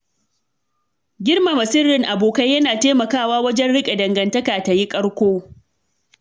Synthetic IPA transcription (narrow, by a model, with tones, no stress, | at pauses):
ɡʲɪ˦rma˨mɐ˨sɪ˦rɪ˨ŋʔa˨boː˨ka˦jːɐ˦naː˨teː˦mɐ˨kaː˦˨waː˦wɐ˦d͡ʒɛ˦nɽɪ˦kʲʼe˨dɐ˨ŋɡɐ˨ntɐ˦kaː˨ta˨ji˦kʼɐ˦ɽkʷoː˦